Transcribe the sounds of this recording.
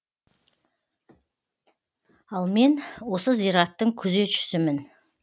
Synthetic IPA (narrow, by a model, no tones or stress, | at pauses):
ɑlˠme̞nwo̞səzijɾɑt̪ːəɴkʲʰɵze̞t̪ʒʏ̥sɪmɪn